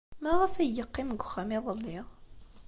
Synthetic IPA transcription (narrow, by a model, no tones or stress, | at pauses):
mæʁəfæjəqːimɡʷʊxːæmiðˤəlːiʁ